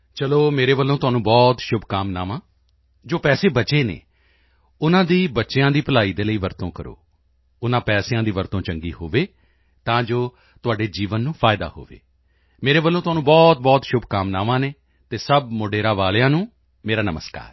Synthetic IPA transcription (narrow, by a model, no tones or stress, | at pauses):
t͡ʃəloːmeːɾeːʋəlːõːt̪ʊaːnũːbɔːt̪ʃʊbʱkaːmna̰ːʋãː | d͡ʒoːpɛːseːbət͡ʃeːnḛː | ʊnãːd̪iːbətːʃejãːd̪iːpəlaːiːd̪eːləiːʋəɾt̪õːkəɾo̰ː | ʊnãːpɛːsjãːd̪iːʋəɾt̪õːt͡ʃəŋɡiːho̰ːʋeː | t̪ãːd͡ʒoː | t̪ʊaːɖeːd͡ʒiːʋənːũːpʰaːɪd̪a̰ːho̰ːʋḛː | meːɾeːʋəlːõːt̪ʊɦaːnũːbɔːt̪̚bɔːt̪ʃʊbʱkaːmnaːʋãːneː | t̪eːsəbmoɖeːɾaːʋaːljãːnũː | meːɾaːnəməska̰ːɾ